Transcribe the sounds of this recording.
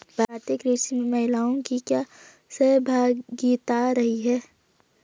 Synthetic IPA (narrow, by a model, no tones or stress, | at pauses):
bʱat̪ekɾisiməɦɪlaːõkikja | sebʱaːɡiːt̪aɾɐɦiɦɛː